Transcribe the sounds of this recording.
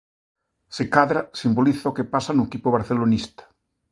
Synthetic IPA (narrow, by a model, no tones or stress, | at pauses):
sekaðɾasimboliθaokepasanuekipoβaɾθelonist̪ḁ